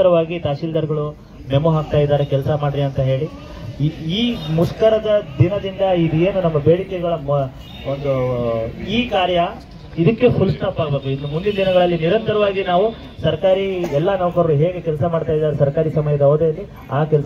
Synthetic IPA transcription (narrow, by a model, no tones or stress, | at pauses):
ɐɾɐʋaːɡit̪aːʃiːld̪ɐɾɡɐɭu | memuɦaːɡ̚t̪aːjd̪aːɾekɛlɐsɐmaːɽɾiɐnt̪ɐɦe̞ːɭi | iːmuskɐɾɐd̪ɐd̪inɐd̪ind̪ɐid̪ue̞ːnunɐmːɐbeːɽikɛɡɐɭɐm | ond̪u | iːkaːɾjɐ | id̪ɐkːepulst̪aːpaːɡbek̪uinːumund̪inɐd̪inɐɡɐɭɐlːiniɾɐnt̪ɐɾɐʋaːɡinaːʋu | sɐɾkaːɾiɛlːɐnɐʋɐkɐɾɐɾuɦe̞ːɡekɛlɐsɐmaːɖt̪aːjid̪ːaːɾesɐɾkaːɾisɐmɐjɐd̪ɐoːd̪eɐlːi | aːkɛls